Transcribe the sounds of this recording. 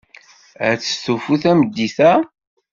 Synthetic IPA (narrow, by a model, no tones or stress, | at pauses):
æ̰t͡sːə̥st̪ufuθæməd̪ːiθæ